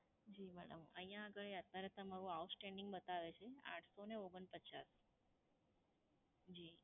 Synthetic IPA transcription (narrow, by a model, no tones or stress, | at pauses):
d͡ʒimɛɽə̰mʔə̃ɦĩjãːɡəɭeət̪ːaɾet̪əmaɾũawt̪sʈɛ̃ɳɖiŋɡbət̪aʋet͡ʃʰeã̰ʈʰsoneoɡənpət͡ʃa̰s | d͡ʒi